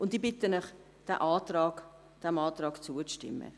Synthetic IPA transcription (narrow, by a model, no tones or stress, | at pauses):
ʔʊntiːbɪtənœχ | d̥ɛʔɑːtɾɑːk | d̥ɛmɑːt̪ɾɑːkt͡suət͡sʃtɪ̰mːə̰